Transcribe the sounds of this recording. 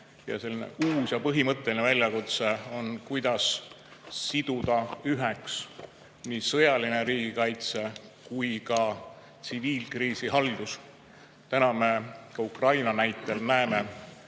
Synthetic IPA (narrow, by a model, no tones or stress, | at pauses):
jɑ̰se̞lːinḛʔuːsjɑpɤɦimɤt̪ˑːe̞linevælʲjɑkut̪se̞o̞nkujd̪̥ɑsː | id̪̥ud̪̥ɑyɦeks | niːsɤjɑline̞ɾiːɡ̥ikɑjt̪se̞kujkɑ | t̪siviːlkriːsiɦɑld̪̥us | t̪ænɑme̞kɑukrɑjnɑnæjt̪ːˑelnæeme